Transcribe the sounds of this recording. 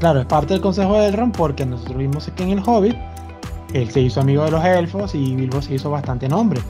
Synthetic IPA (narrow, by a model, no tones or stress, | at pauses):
klaɾo̞e̞spaɾt̪e̞ðelko̞nse̞xoðelrompo̞ɾke̞noso̞t̪ɾozβimosekeːŋe̞lxo̞βit | e̞lse̞iso̞amiɣoðe̞lo̞selfo̞siβilβose̞iso̞βast̪ant̪e̞nõ̞mbɾe